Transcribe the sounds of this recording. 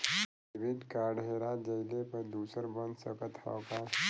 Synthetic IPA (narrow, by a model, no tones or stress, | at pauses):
ʋiɖkaːɾɖɦeːɾad͡ʒəjlepəɾd̪uːsəɾbə̃nd̪səkət̪ha̰wka